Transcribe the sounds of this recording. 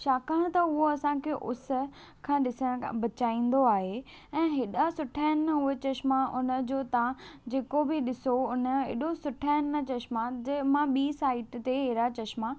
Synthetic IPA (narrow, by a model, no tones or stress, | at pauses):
ʃaːkəɽ̃t̪ɐʊɦoɐsãkʰeʔʊsʊ̆ | kʰãːɗɪsəɽ̃bɐt͡ɕaːĩːn̆d̪oaːɦe | ɛ̃ːɦeːɗasʊʈʰaːɪnːɐɦʊɦet͡ɕɐʃmaʔʊnə̆d͡ʑoːt̪ãd͡ʑeːkobɪɗɪsoʊnə̆ɦḛːɗosʊʈʰaːnːɐt͡ɕɐʃmad͡ʑemãɓiːsaːɪʈt̪eɦeːɾat͡ɕɐʃma